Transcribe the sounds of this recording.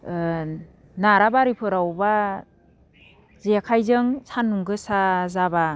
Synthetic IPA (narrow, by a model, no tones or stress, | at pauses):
naɾabaɾipʰɯɾawba | zekʰajzɯŋsanːuŋɡɯsazaba